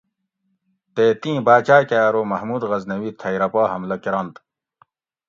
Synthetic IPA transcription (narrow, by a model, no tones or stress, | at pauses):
t̪eːt̪ĩːbaːt͡ɕaːkaːɾomɐhmuːd̪ɣɐznɐwiːt̪ʰɐjɾɐpaːɦɐmlɐkiɾɐnt̪